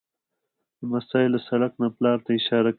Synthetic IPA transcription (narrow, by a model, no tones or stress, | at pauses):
d̪̥əmasɑːɪlasaɽaknaplɑːɾt̪aɪʃɑɾak